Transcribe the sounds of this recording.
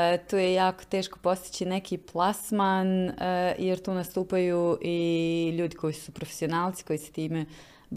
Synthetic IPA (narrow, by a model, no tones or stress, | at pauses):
t̪uːjejaːko̥t̪e̞ːʃko̞̥po̞st̪i̥t͡ɕinekʰiːplˠasmanjeɾt̪uːnast̪uːpajuːʔiʎuːd̪iko̞jisupɾofe̥sionaːlˠt̪si̥ko̞jise̥t̪iːme